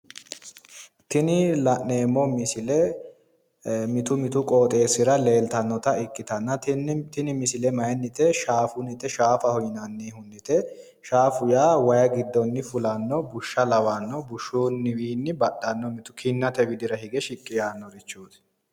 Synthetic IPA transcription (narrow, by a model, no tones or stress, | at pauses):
t̪ɪnɪlɐʔnːe̞ːmːɔmɪsɪlɛ | mɪt̪ʊmɪt̪ʊkʼoːt̪ʼe̞ːsɪɾɐle̞ːlt̪ɐnːɔt̪ɐɪkːɪt̪ɐnːɐt̪ɪnɪmɪsɪlɛmɐjnːɪt̪ɛʃaːfʊnɪt̪ːɛʃaːfɐhɔjnɐnːeːhʊnːɪt̪ɛ | ʃaːfʊjaːwɐjɐɡɪd̪ːɔnːɪfʊlɐnːɔbʊʃːɐlɐwanːɔbʊʃːunːɪwiːnːɪbɐɗɐnːɔmɪt̪ʊ̥kʰɪnːɐt̪ɛwɪd̪ɪɾɐɦɪɡɛʃɪkʼːɪjaːnːɔɾɪt͡ʃːuːt̪